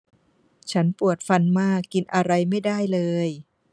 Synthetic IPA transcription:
t͡ɕʰa˦˥npu˨˩ət̪̚fa˧nmaː˥˩kːi˧nʔa˧ɾa˧jma˥˩jdaː˥˩jlɤː˧j

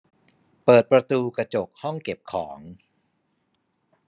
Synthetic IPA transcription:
pɤː˨˩t̪̚pɾa˧t̪uː˧kɾa˧t͡ɕo˨˩k̚hɔ˥˩ŋke˨˩p̚kʰɔː˩˦ŋ

